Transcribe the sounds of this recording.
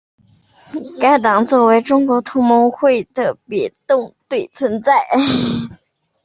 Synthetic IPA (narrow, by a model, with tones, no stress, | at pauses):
ka˥ɪt̪ɑ˨˩ŋt͡swɔ˥˩we˧˥ɪʈ͡ʂʊ˥ŋkwɔ˧˥t̪ʰʊ˧˥ŋmo˧˥xwe˥˩ɪd̪̥ə˩pjɛ˨˩t̪ʊ˥˧ŋt̪we˥˩ɪt͡sʰwə˧˥nt͡sa˥˩ɪ